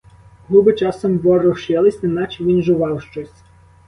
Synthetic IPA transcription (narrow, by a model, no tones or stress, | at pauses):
ɦubɪt͡ʃɑsɐmʋɔrɔʃɛlˠɪsʲɪnɑt͡ʃɪʋʲinʒʊʋɑwʃt͡ʃɔsʲ